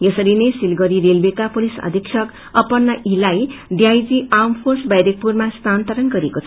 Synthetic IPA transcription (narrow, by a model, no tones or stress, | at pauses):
jʌsʌɾinesilɡʌɾiɾelbekapolisʌ̰d̪ʱʌksʰʌk | ʌpʌnːʌʔilajɖiajd͡ziampʰorsbajɾek̚purmast̪ant̪aɾʌnɡʌɾekot͡sʰ